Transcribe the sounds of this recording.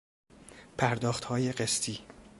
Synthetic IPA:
pʰæɾd̪ɒːxt̪hɒːjeɢest̪ʰiː

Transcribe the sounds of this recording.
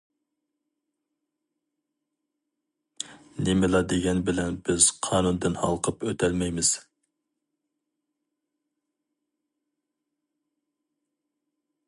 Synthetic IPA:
nemɪlˠɑd̪eɡʲɛnbɪlɛnbɪz̥qʰɑːnund̪ɪnhɑ̰lˠqʰəpøt̪ʰɛlmɛjmɪz̥

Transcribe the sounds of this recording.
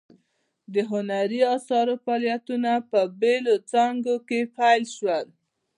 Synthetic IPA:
d̪əɦʊnaɾiɑsɑɾofɑlijat̪unapəbelot͡sɑŋɡokepajlʃwəl

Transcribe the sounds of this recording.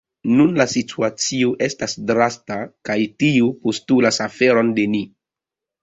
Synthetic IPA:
nunlasitʰuat͡sioʔe̞stasdɾastakajtiupo̞stulasafe̞ɾo̞nde̞ni

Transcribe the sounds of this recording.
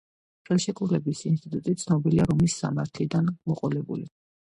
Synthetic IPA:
χɛlˠʃɛkʼulɛbisinst̪ʼit̪ʼut̪ʼit̪sʰnɔbiliaɾɔmisːa̰maɾt̪ʰlid̪anmɔqʼɔlɛbṵli

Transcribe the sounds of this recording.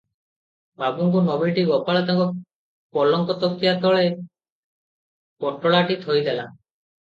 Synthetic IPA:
babuŋk̬unɔbʱiʈiɡɔpaɭat̪aŋkɔ | pɔlɔŋkɔt̪ɔkt̪ijat̪ɔɭe | pɔʈɔɭaʈit̪ʰojd̪ela

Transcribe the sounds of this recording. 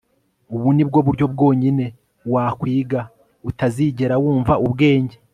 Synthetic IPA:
uβunib̚ɡo̞βuɾɟo̞b̚ɡo̞ːɲine̞ | waːkwiːɡa | utaziːɟe̞ɾawuːɱvaʔubɡe̞ːɲɟe

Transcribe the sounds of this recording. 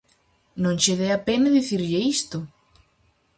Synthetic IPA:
nõŋt͡ʃeðeapenɐðiθiɾʎɪist̪ʊ

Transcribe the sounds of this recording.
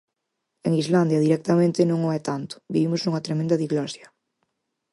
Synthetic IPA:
eŋizland̪jɐðiɾɛk̚t̪ɐmẽnt̪ɪnõŋoɛt̪ant̪ʊ̥biβimʊznuŋɐt̪ɾemẽnd̪ɐðiɣlɔsjɐ

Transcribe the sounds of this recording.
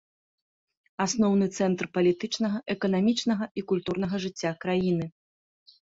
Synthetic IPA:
asnɔwnɨt̪sɛnt̪rpɐlʲit̪ɨt͡ʂnɐɣɐʔɛkɐnamʲit͡ʂnɐɣɐʔikulʲt̪uɾnɐɣɐʐɨt͡sʲːakɾajin̪ɨ

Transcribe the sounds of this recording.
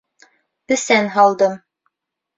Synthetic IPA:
bɘ̆sænɦɑlˠd̪ɤm

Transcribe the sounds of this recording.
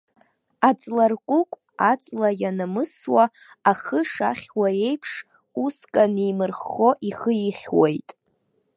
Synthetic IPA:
at͡sʼlarkʷʼukʷʼ | at͡sʼlajanamɨswa | aχəʂa̰χʲwae̞jpʰʂ | uskʼanimɨrχoʔiχəjiχʲwejtʼ

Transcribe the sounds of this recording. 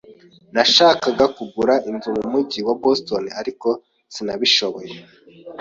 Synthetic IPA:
naʃaːkaɡakuɡuɾaʔinzumumuɟiwabostoniaɾiko̞ | sinaβiʃo̞βoje

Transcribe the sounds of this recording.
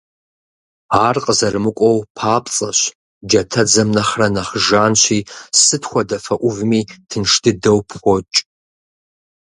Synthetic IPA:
aːrqʼəzɐrmɨkʷʼɔwpʰaːpʼt͡sʼɐɕ | d͡ʒɐtʰɐd͡zɐmnɐχrɐnɐχʒaːnɕʷiːsɨtʰxʷɔdɐfɐʔʷʊvmiːtʰɨnʂtʰɨdɐwpʰxʷɔt͡ʃʼ

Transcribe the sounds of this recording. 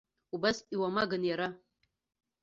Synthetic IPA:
ubasiwamaɡɨnjaɾa

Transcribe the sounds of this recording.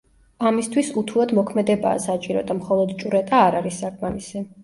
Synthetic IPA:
amist̪ʰwisut̪ʰulˠɔd̪mɔkʰmɛd̪ɛba̰ːsat͡ʃʼiɾɔd̪amχɔlˠɔd̪t͡ʃʼuɾɛt̪ʼaːɾaɾisːakʼmamisɛ

